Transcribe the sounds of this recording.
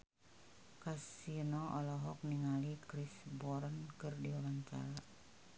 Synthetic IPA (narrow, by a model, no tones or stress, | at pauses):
kasinɔʔɔlɔɦɔk̚niŋalikɾisbɔɾənkɨrdiɔɾant͡ʃa̰la